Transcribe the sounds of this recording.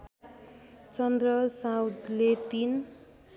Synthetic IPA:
t͡sʌnd̪rʌsawd̪let̪in

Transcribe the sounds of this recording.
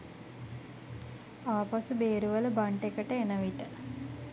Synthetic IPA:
aːpasubeːɾuʋələbaɳʈekəʈəenəʋiʈə

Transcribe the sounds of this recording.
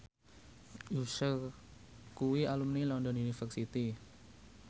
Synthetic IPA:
jusər | kuwialumnilɔnd̪ɔnunifərsit̪i

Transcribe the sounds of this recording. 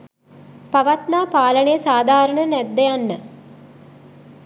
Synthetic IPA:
paʋat̪naːpaːləɳejəsaːd̪ʱaːɾəɳənɛd̪ːejanːə

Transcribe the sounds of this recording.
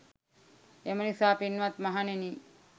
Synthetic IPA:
emənisaːpinʋat̪mɐɦaneni

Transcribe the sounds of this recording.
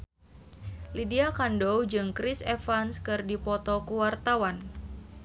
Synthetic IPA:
lidiakandowd͡ʒɨŋkɾisefanskɨrdipɔt̪ɔkuwart̪awan

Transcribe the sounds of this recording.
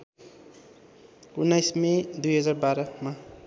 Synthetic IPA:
unːajsmẽd̪ujɦʌd͡zarbaɾʌma

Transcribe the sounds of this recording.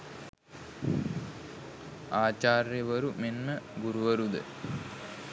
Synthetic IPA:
aːt͡ɕaːrjɐʋɐɾumenməɡuɾuʋɐɾud̪ə̰

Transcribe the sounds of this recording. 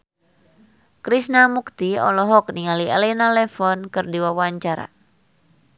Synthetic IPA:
kɾisnamukt̪iɔ̰lɔɦɔk̚niŋaliɛlɛnalɛfɔnkɨrdiwawaɲt͡ʃaɾa̰

